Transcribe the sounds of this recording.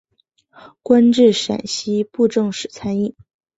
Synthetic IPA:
kwa˥nʈ͡ʂɻ̩˥˩ʂa̰˨˩nɕi˥pu˥˧ʈ͡ʂɤ˥˩ŋʂɻ̩˨˩t͡sʰa˥ni˥˩n

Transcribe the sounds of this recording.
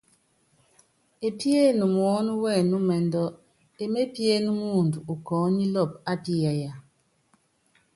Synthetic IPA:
e˨pje˦˨nu˨m˨ɔ˦nu˦wɛ˦˨nu˦mɛ˨ndɔ˦ | e˦me˦pje˦nu˦mu˦˨ndu˨u˨kɔː˨˦ni˦lɔ˦˨p̚a˦pi˦ja˨ja˨

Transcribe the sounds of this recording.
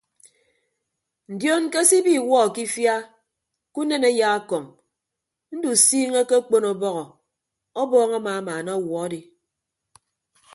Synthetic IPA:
n̩˨djɔ˦ŋ̩˦ke˦si˦bi˦˨wɔ˦˨ki˦fja˦ | ku˦ne˦ne˦ja˦a˦kɔ˨ŋ | n̩˦du˨siː˦ŋe˦ke˦k͡po˦nɔ˨bɔ˦ɣɔ˨ | ɔ˦bɔː˦ŋa˦ma˨a˦maː˨na˦˨wɔ˨a˦di˨

